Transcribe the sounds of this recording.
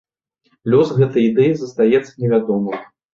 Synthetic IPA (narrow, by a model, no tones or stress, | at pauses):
lʲɔsɣɛt̪ɐjid̪ɛjizɐst̪ajɛt̪sːɐnʲɛvʲad̪ɔmɐj